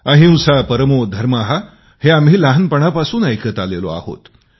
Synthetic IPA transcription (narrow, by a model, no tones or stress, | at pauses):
əɦĩw̃sapəɾəmod̪ʱəɾmaɦa | heam̤iːlaɦənpəɳ̃apasuːnajkʰət̪alelo̰a̰ho̰t̪